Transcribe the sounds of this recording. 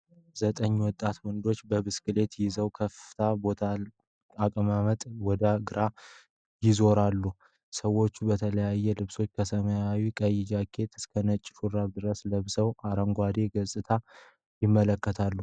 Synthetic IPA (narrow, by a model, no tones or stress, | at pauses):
zət̪ʼəɲːwɔt̪ʼːat̪mɔnd̪o̞t͡ʃːbəbɨskɨle̞t̪jɪzəwkʰəfɨt̪ʰabo̞t̪ʰa | akʼəmamət̪ʼwɔd̪aɡɨɾa | jɪzo̞ɾalːu | səwo̞t͡ʃːubət̪ʰələjajːɛlɨβso̞t͡ʃːkʰəsəməjawikʼəjɪd͡ʒakʰːe̞t̪ɨskʰənət͡ʃʼːɪfuɾaβd̪ɨɾəsləβsəwʔaɾəŋɡʷad̪e̞ɡəsʼɨt̪ʰa | jɪmːələkːət̪ʰalːu